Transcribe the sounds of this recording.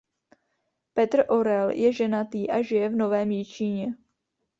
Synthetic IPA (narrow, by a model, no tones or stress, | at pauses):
pɛt̪r̩ʔo̞ɾɛljɛʒɛnat̪iːʔaʒɪjɛvno̞vɛːmjɪt͡ʃiɲɛ